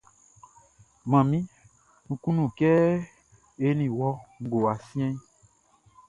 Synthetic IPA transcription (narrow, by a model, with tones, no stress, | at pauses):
mã˨mĩ˦ | nũ˨kũ˦nũ˨kɛ˦ | e˦nĩ˨wɔ˦ŋ̩˨ɡo˨a˨sĩ˦ɛ̃˦